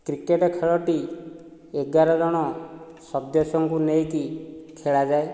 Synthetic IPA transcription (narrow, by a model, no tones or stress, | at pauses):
kɾikeʈɔkʰeɭɔʈi | eɡaɾɔd͡ʒɔɽ̃ɔ | sɔd̪jɔsɔŋkunejkikʰeɭad͡ʒae